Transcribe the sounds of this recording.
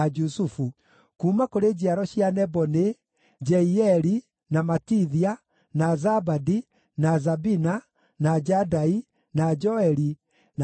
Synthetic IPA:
d͡ʒusufu | kuːmakoɾed͡ʑiaɾɔɕianɛbɔne | d͡ʒɛiɛɾi | namatiðia | nazabadi | nazabina | nad͡ʒadai | nad͡ʒɔɛɾi | n

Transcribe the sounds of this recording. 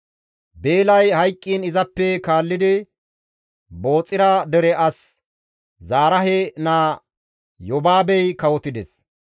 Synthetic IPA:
be̞ːlɐjhɐjkʼːiːnɪzɐpːɛkaːlːɪd̪ɪ | bo̞ːt͡sʼːɪɾɐd̪ɛɾɛʔɐs | zaːɾɐɦɛnaː | jɔbaːbɛjkɐwɔt̪ɪd̪ɛs

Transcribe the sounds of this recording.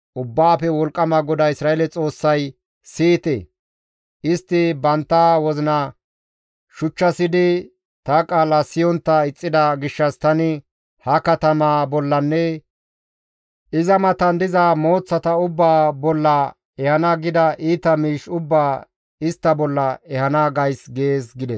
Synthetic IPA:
ʔʊbːaːpɛwɔlkʼːɐmɐɡɔd̪ɐɪsɾaːeɛlɛt͡sʼo̞ːsːɐj | siːt̪ɛ̰ | ʔɪst̪ːɪbɐnt̪ːawɔzɪnɐ | ʃʊt͡ʃːɐsɪd̪ɪ | t̪ɐkʼaːlɐsɪjɔnt̪ːɐɪt͡sʼːɪd̪ɐɡɪʃːɐst̪ɐnɪ | hɐkɐt̪ɐmaːbɔlːɐnːɛ | ʔɪzɐmɐt̪ɐnd̪ɪzaːmo̞ːt͡sːɐt̪ɐʊbːaːbɔlːɐ | ɛhɐnaɡɪd̪ɐʔiːt̪ɐmiːʃʊbːaː | ɪst̪ːɐbɔlːɐɛhɐnaɡɐjsɡe̞ːsɡɪd̪ɛs

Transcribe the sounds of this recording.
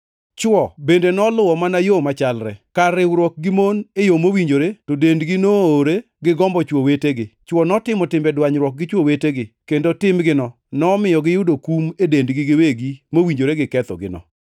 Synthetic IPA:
t͡ʃwɔbendenɔlʊwɔmanajomat͡ʃalɾɛkaɾɪwɾwɔk̚ɡimonejomowiɲd͡ʒoɾetodendɡinooɾe | ɡɪɡɔmbɔt͡ʃwoweteɡɪt͡ʃwɔnɔtɪmɔtɪmbɛdwaɲɾwɔk̚ɡɪt͡ʃwoweteɡɪkendotɪmɡɪnɔ | nɔmɪjɔɡɪjʊdokumedendɡɪɡɪweɡimowiɲd͡ʒoɾeɡɪkɛt̪ɔ̰ɡɪ̰nɔ̰

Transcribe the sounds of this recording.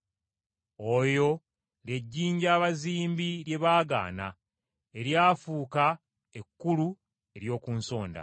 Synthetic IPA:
ojo̞ | le̞ɟːiːɲɟaːβaziːmbiɾje̞βaːɡa̰ːna̰ | e̞ɾjaːfuːka | e̞kːulu | e̞ɾjo̞ːkuːnso̞ːnda̰

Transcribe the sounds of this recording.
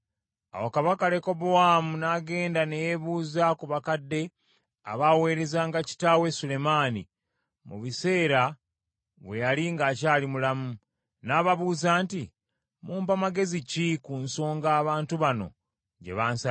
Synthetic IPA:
a̰wokaβakale̞ko̞bowaːmunaɡe̞ːndane̞jeβuːzakuβakadːe̞ | a̰βawe̞ːɾe̞zaːŋɡaci̥taːwe̞sule̞maːni | mṵβise̞ːɾa | βwe̞jaliŋɡaːcaːlimulamu | naːβaβuːzaːnti | muːmpamaɡe̞zicikunso̞ːŋɡaːβaːntuβano̞̰ | ɟe̞̰βaːnsa

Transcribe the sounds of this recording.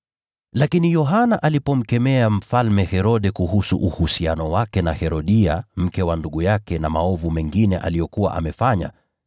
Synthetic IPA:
lakinijɔɦanaʔalipɔm̩kɛmɛam̩falmɛhɛɾɔɗɛkuhusuʔuhusianɔwakɛnahɛɾɔɗia̰m̩kɛwanduɠujakɛnamaɔvumɛŋɡinɛʔa̰lijɔkuwa̰ʔa̰mɛfaɲa̰

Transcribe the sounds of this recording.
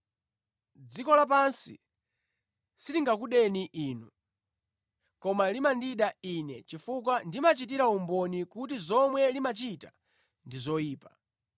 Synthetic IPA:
d͡zikɔlap̬ansḭ | siɾiŋɡakuɗɛniʔiːnu | kɔmalimandiɗainɛt͡ʃifuk̬wandimat͡ʃit̬iɾaumbɔnikutizɔmwɛlimat͡ʃitḁ | ndizɔjiːpḁ

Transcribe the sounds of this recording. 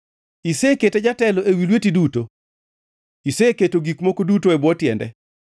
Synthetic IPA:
iseketɛd͡ʒatɛlɔʔewilwetiduto | iseketoɡikmokodutoɛbwɔtjɛ̰ndɛ̰

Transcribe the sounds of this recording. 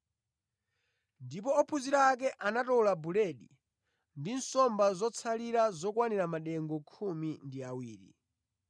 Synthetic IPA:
ndipɔːpʰuziɾaːk̬ɛʔanatɔulabulɛɗi | ndinsɔmbazɔt͡sʰaliɾazɔkwaniɾamaɗɛŋɡɔkʰumindiawiːɾḭ

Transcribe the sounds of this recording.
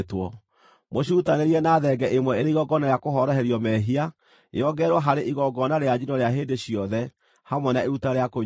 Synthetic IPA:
twɔ | moɕ̬uutaneɾiɛnaːðɛɡɛʔemwɛeɾeiɣɔɡɔnajakoɦɔɾɔɦɛɾiɔmɛɦia | ḛɔɡɛɾwɔɦaɾeʔiɣɔɡɔnaɾead͡ʒinɔɾeaɦeːndeɕijɔðɛ | hamwɛnaeɾutaɾeako

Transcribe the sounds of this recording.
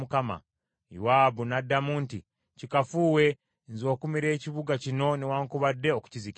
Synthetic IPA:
ukama̰ | jṵwaːbunadːamuːnti | cikafuːwe̞ | nzo̞ːkumiɾe̞ːciβuɡacino̞niwaːŋkuβadːe̞oku̥cizik

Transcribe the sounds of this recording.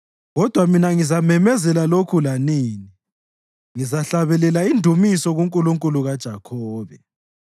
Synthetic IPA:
ɣɔd̥ʱwaminaŋizamɛmɛzɛlalokʰulaniːni | ŋizaɬaβɛlɛlaindʱumisɔɣuŋkʼuluŋkʼuluɣad̥ʒ̥ʱakʰɔːβɛ

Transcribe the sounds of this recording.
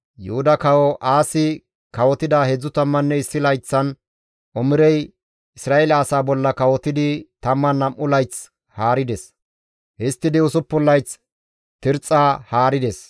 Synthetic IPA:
jʊ̰hʊd̪ɐkɐwɔʔaːsɪ | kɐwɔt̪ɪd̪aːhɛd͡zːʊt̪ɐmːɐnːɛɪsːɪlɐjt͡sːɐn | ʔɔmɪɾɛj | ɪsɾaːʔɛlɐːsaːbɔlːɐkɐwɔt̪ːɪd̪ɪt̪ɐmːɐnːɐmʔʊlɐjt͡s | haːɾɪd̪ɛs | hɪst̪ːɪd̪ɪʊsʊpːʊlːɐjt͡s | t̪ɪɾt͡sʼːaːhaːɾɪd̪ɛs

